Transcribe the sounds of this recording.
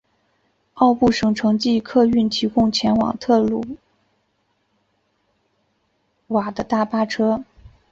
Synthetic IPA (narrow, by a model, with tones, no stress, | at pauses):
ɑ˥˧ʊpu˥˩ʂɤ˧˥ŋʈ͡ʂʰɤ˧˥ŋt͡ɕi˥˧kʰɤ˥˧y˥˩nt̪ʰi˧˥kʊ˥˧ŋt͡ɕʰjɛ˧˥nwɑ̰˨˩ŋt̪ʰɤ˥˧lu˥˩ | wa˨˩d̪ə˦t̪a˥˩pa˥ʈ͡ʂʰɤ˥